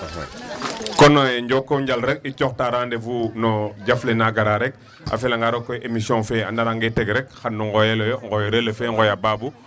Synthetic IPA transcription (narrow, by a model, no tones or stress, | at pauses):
kɔnojɲɟɔkːoɲɟalɾɛk̚icɔxtaɾaːndevunɔɟaflenaɡaɾaɾɛk̚ | a̰fɛlaŋɡaɾokːojʔemisiɔ̃ŋfeandaɾaŋɡetɛɡɾɛk̚xanːuŋɡɔjɛlojɔŋɡɔjɔɾelefeŋɡɔjababu